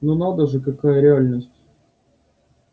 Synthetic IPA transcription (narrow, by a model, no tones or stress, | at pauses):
nunad̪əʐɨkɐkajəɾʲɪalʲnəsʲtʲ